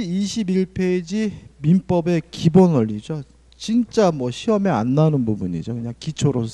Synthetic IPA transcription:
iɕʰibiɭpʰed͡ʑimimp͈ʌbe̞kibonʌʎːid͡ʑo | t͡ɕint͡ɕ͈amwʌɕʰiʌmea̰nːanɯnbubuɲḭd͡ʑokɯɲaŋkit͡ɕʰoɾosʰ

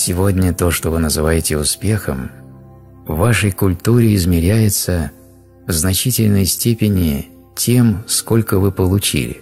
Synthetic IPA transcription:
sʲɪvo̞dʲnʲət̪o̞ʂt̪ovɨnəzɨvajɪtʲɪʊspʲe̞xəm | vːaʂəjkʊlʲt̪uɾʲɪɪzmʲɪɾʲæjɪt̪sə | vznɐt͡ɕitʲɪlʲnəjsʲtʲepʲɪnʲɪ | tʲe̞msko̞lʲkəvɨpəlˠʊt͡ɕḭlʲɪ̰

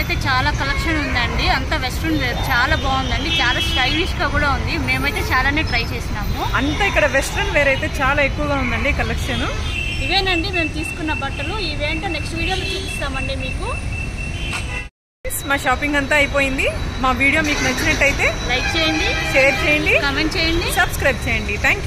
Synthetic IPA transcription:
jt̪e̞ːt͡ʃaːlaːkɐlɐkʂɐnund̪ɐɳɖiɐnt̪aʋesʈɾɐnʋeːɾut͡ʃaːlaːbaːund̪ɐɳɖit͡ʃaːlaːsɐjniʂkɐɡuːɽaːund̪ime̞ːmɐjt̪e̞ːt͡ʃaːlaːne̞ːʈɾɐjt͡ʃe̞ːsinaːmuɐnt̪aːikːɐɽɐʋesʈɾɐnʋeːɾɐjt̪e̞ːt͡ʃaːlaːekːuʋɐɡaːund̪ɐɳɖikɐlekʂɐnu | iʋeːɳɐɳɖime̞ːmut̪iːsu̥kunːɐbɐʈːɐluiʋeːɐɳʈeːneksʈʋiːɽijoːlut͡ʃuːist̪aːmɐɳɖimiːku | iːsmaːʃaːpiŋɡɐnt̪aːɐjpoːjind̪imaːʋiːɽijo̞ːmiːkumɐɲt͡ʃinɐʈːɐjit̪e̞ːlɐjk̚t͡ʃeːjɐnɖ̪iʃt͡ʃeʈ̚t͡ʃeːjɐɳɖikɐmeɳʈ̚t͡ʃeːjɐɳɖisɐbskɾɐjb̚t͡ʃejɐɳɖit̪ʰaːŋkj

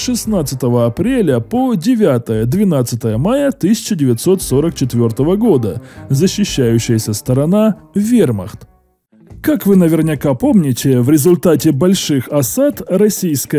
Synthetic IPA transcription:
ʂɨsnat̪sɨt̪əvəɐpɾʲelʲəpodʲɪvʲat̪əjəd̪vʲɪnat̪sɨt̪əjəmajət̪ɨsʲɪ̥t͡ɕɪdʲɪvʲɪt̪so̞t̪so̞ɾək̚t͡ɕɪt̪vʲo̞rt̪əvəɡo̞d̪əzəɕːɪɕːæjʉɕːɪjəsʲəst̪əɾɐnavʲermə̰xt̪ | kakvɨnəvʲɪrnʲɪkapo̞mnʲɪtʲɪvɾʲɪzʊlʲt̪atʲɪbɐlʲʂɨxɐsat̪rɐsʲijskə

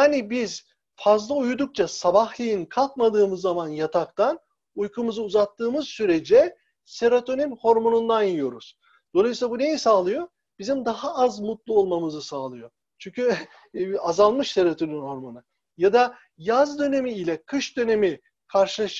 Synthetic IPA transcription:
jaːnibiz̥ | fazlˠaujud̪uk̚t͡ʃʰasabaxlʲˠijinkʰalˠkmad̪ɯːmɯzːamanjat̪ʰakt̪an | ujkʰumɯzɯuzat̪ʰːɯːmɯzsyɾe̞d͡ʒɛ | se̞ɾot̪ʰo̞ninho̞ɾmo̞nund̪anjijo̞ɾuz̥ | d̪̥o̞lˠajɯsilˠabune̞jisaːlˠɯjo̞ | b̥izimd̪aɦaazmut̪lˠuolˠmamɯzɯsaːlˠɯjo̞ | t͡ʃʰyɲcy | azalˠmɯʃse̞ɾot̪ʰoninho̞ɾmo̞nɯ | jad̪a | jazd̪ø̞ne̞miːlʲɛkʰɯʃd̪ø̞ne̞mi | kʰaɾʃɯlˠaʃ

